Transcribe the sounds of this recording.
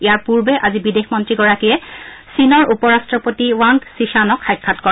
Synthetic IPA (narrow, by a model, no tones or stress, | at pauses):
ijaɹpuɹbɛʔazibidexmɔntɹiɡɔɹakijɛsinɔɹʔupɔɹastɹɔpotiwaŋɡsiʃanɔkʰxajkʰːatkɔ